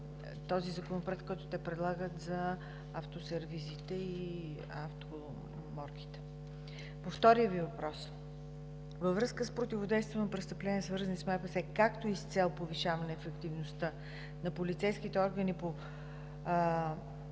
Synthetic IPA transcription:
t̪ɔzizɐkonopɾɛt̪kːɔjt̪ʊt̪ɛpɾɛd̪lˠaɡət̪zɐ | aft̪osɛɾvizit̪ɛi | aft̪o | mɔɾk̟i̥t̪ɛ̥ | poft̪ɔɾiəvivɐpɾɔs | vəvɾɤskəspɾot̪ʲivod̪ɛjst̪vʲnpɾɛst̪əplɛniəsvɤɾzənismaɛpəsɛkakt̪oist̪sɛlˠpoviʃavɐnɛːfɛkt̪ivnost̪ə | nɐpolit̪sɛjskit̪ɛɔɾɡənipo

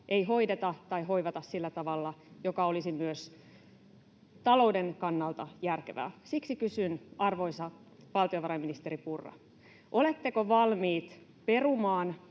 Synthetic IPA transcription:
ʔe̞jɦo̞idet̪ɑt̪ɑjɦo̞iʋɑt̪ɑssilːæt̪ɑʋɑlːɑjokɑolisimyøs | t̪ɑlo̞udenkɑnːɑlt̪ɑjærkeʋæ̰ːsiksikysynɑrʋo̞isɑ | ʋɑlt̪ioʋɑɾɑjminist̪eɾipurːɑ̰ | ʔo̞let̪ːekoʋɑlmiːt̪ | pe̞rumɑːn

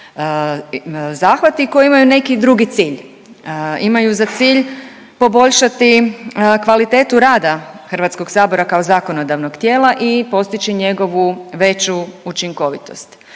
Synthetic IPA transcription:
zaːxʋat̪iko̞jiimajune̞kid̪ɾuɡit̪siːʎ | imajuzat̪siːʎ | po̞bo̞ʎʃat̪ikʋalit̪e̞ːt̪uɾaːd̪a | xr̩ʋat̪sko̞ɡsaːbo̞ɾakaozaːko̞nod̪aʋnoɡt̪je̞ːlaʔipo̞st̪it͡ʃiɲe̞ɡo̞ʋuʋe̞t͡ʃuut͡ʃiŋko̞ʋit̪o̞st̪

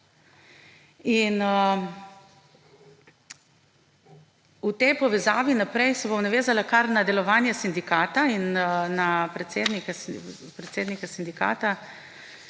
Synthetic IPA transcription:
inə | ut̪ɛjpɔʋɛzaːʋinapɾɛjsɛbomnaʋeːzalakaɾnad̪ɛlɔʋaːnjɛsind̪ikaːt̪ainnapɾɛt̪seːd̪nikas | pɾɛt̪seːd̪nikasind̪ika̰ːt̪a

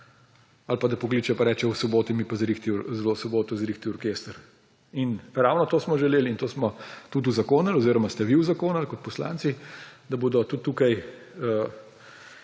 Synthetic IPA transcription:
alpad̪ɐpɔkliːt͡ʃɛpaɾɛːt͡ʃɛusɔboːt̪imipazɾixt̪izlosɔboːt̪ɔzɾiːxt̪iɔɾkeːst̪ɾ | inɾaːwnɔt̪oːsmɔʒɛleːlint̪oːsmɔt̪ut̪̬uzakoːnalɔziːɾɔmast̪ɛʋiuzakoːnalkɔt̪̚pɔsla̰ːnt̪sid̪ɐboːd̪ɔt̪ut̪ːuːkaj | ə

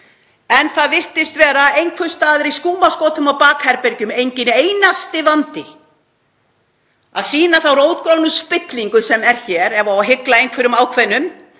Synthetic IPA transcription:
ɛnθaðvɪr̥t̪ɪst̪vɛːɾaejŋkʰfʏ̥st̪aːðɪɾiskuːmaskoːt̪ʏmawpaːkhɛɾpɛɾcʏmejɲcɪnejnast̪ɪvant̪ɪ | a̰ðsiːnaθawroːwt̪kɾownʏspɪt̪liŋkʏsɛmɛɾ̥çɛːɾɛvaawɦɪklaejŋkʰvɛɾʏmaːwkʰvɛnːʏm

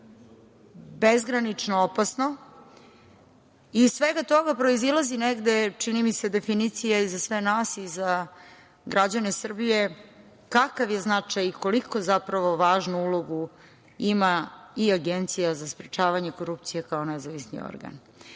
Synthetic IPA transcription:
bezɡɾanit͡ʂnoopasno̞ | issʋeɡat̪o̞ɡapɾo̞izilˠazineɡd̪e̞t͡ʂinimise̞d̪e̞finit̪sijaizasʋenaːsiza | ɡɾʔad͡ʑanesr̩bije̞ | kakaʋje̞znat͡ʂajiko̞liko̞zapɾaʋo̞ʋaːʒnuulˠoɡu | imaiaɡe̞nt̪sijazaspɾet͡ʃaːʋaɲe̞ko̞ɾupt̪sijekao̞nezaʋisnḭo̰ɾɡa̰n

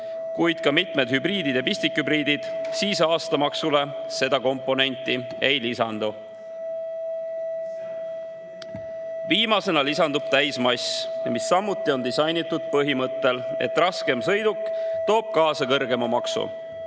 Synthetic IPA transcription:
kujd̪̥̚kɑmit̪ˑme̞d̪̥hybriːd̪id̪jɑpisʲt̪ikhybɾiːd̪id̪̥siːsɑːst̪ɑmɑksule̞se̞d̪̥ɑko̞mpːˑo̞ne̞nʲt̪ːˑi | e̞jlisɑ̰nd̪̥u | viːmɑse̞nɑlisɑnd̪ub̥̚t̪æjsmɑjsjɑmisːɑmːut̪ːˑio̞nd̪isɑjnit̪ːˑud̪̥̚pɤɦimɤt̪ˑːe̞le̞̰t̪ːrɑske̞msɤjd̪ukˑːt̪o̞ːb̥̚kɑːsɑkɤrɡe̞mɑmɑksṵ

